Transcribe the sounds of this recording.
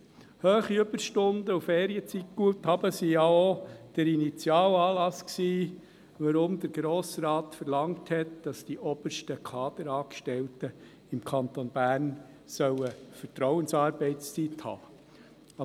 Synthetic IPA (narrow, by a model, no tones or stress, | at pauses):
høːχiʏb̥əɾʃtʊndəufeːɾiət͡sit̚ɡ̥uəthɑb̥əsijɑod̥əɾinit͡sjɑːlɑːlɑsksiː | ʋəɾʊmd̪əɾɡɾoːsɾɑːtfəɾlɑŋthɛtd̥ɑsd̥iʔɔb̥əɾʃtəkʰɑːd̥̪əɾɑːkʃtɛltə | ɪmkʰɑnt̪onb̥æːɾn | sœwəfəɾtɾɔʊənsɑːɾbɛɪst͡sithɑ̰ː